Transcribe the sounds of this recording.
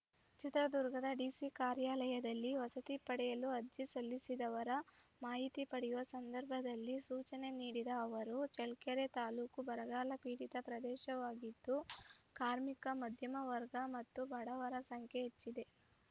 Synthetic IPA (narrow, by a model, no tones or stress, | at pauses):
t͡ʃit̪ɾɐd̪uɾɡʱɐd̪ɐɖiːsikaːɾjaːlɐjɐd̪ɐlːiʋɐsɐt̪ipɐɽɛjɐluɐd͡ʒisɐlːisid̪ɐʋɐɾɐmaːɦit̪ipɐɽɛjuʋɐsɐnd̪ɐɾbʱɐd̪ɐlːisuːt͡ʃɐne̞niːɽid̪ɐːʋɐɾut͡ʃɛɭkɐɾet̪aːluːkubɐɾɐɡaːlɐpiːɽit̪ɐpɾɐd̪ɛːʃɐʋaːɡid̪ːukaːɾmikɐmɐd̪ʱjɐmɐʋɐɾɡɐmɐt̪ːubʱɐɽɐʋɐɾɐsɐŋkʰjeɦet͡ʃːid̪e̞